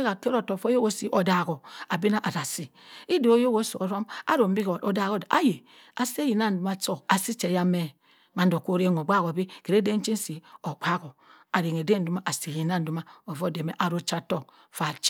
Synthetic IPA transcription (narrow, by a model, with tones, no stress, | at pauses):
ka˨ke˦ɾo˨to˨fo˦jo˦ɡo˦si˨ʔo˨da˨ɡo˨a˨bi˦na˦ʔa˨ɾa˨si˨ | i˦do˨o˦jo˦ɡo˦so˨o˨ɾo˦ma̰˦ɾo˨m˦bi˦ko˨da˦˨ɣo˦da̰˦je˨ | a˨se˦ji˨na˦n̩˨˦du˨˦ma˦t͡so˦˨a˨si˦t͡ʃe˨ja˦me˦ | ma˨n˦do˨ko˦ɾe˦ŋ˨o˨ɡ͡ba˦˨ɣo˨bi˦ke˨ɾe˦de˦n˦t͡ʃi˦n˦si˨o˨k͡pʰa˦ko˨a˨ɾi˨ŋ˨e˨de˦n̩˨du˦ma˦ʔa˨se˨ji˨na˦n̩˨du˦ma˦o˨vo˦˨de˨me˦ʔa˨ɾo˦t͡ʃa˦to˦˨ | fa˨t͡ʃ